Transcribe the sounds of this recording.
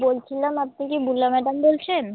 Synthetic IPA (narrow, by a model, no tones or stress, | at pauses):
bolt͡ɕʰilamap̚nikibulːamɛɖambolt͡ɕʰen